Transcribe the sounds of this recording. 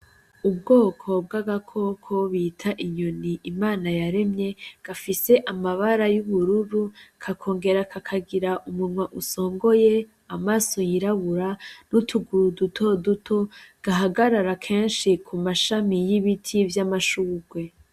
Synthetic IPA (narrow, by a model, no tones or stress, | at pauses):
ub̚ɡo̞ːkʰo̞b̚ɡaɡakʰo̞kʰo̞βitʰaʔiɲoniʔimaːnajaɾe̞mɲe̞ɡ̥afise̞ʔamaβaɾajuβuɾuɾukʰakʰo̞ːŋɡe̞ɾakʰakʰaɡiɾaʔumunŋwaʔuso̞ːŋɡo̞je̞ | amaːso̞jiɾaβuɾanutʰuɡuɾudutʰo̞dutʰo̞ɡ̥aɦaɡaɾaɾakʰe̞ːnʃikʰumaʃamijiβitʰivjamaʃuːɡwe̞